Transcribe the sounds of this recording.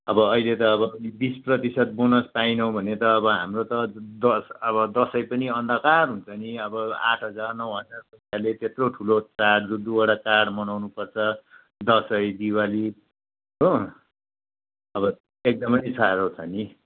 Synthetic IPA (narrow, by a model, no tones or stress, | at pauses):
ʌbʌːilet̪ʌːbʌʌlibisprʌt̪isʌt̪̚bonʌspajnʌw̃bʱʌnet̪ʌːbʌɦa̰mrot̪ʌd̪ʌsʌbʌd̪ʌsʌjpʌniʌnd̪ʱʌkarɦunt͡sʰʌniʌbʌa̰ʈʰɦʌd͡zarnʌwɦʌd͡zarpʌsalet̪et̪roʈʰulot͡saɽrud̪ːuwaɽat͡saɽmʌnawnupʌrt͡sʰʌ | d̪ʌsʌjd̪iwali | ɦo | ʌbʌ | ek̚d̪ʌmʌjsaɾot͡sʰʌni